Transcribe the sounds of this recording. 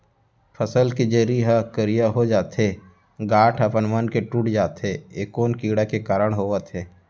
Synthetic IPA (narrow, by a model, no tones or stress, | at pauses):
pʰəsəlkid͡ʒeːɾiɦakəɾijaɦod͡ʒaːt̪ɦe | ɡaːʈʰɦəpənmənkeʈuːʈd͡ʒaːt̪ɦeeːkoːnkiːɽakekaːɾəɽ̃ɦoːət̪ɦɛː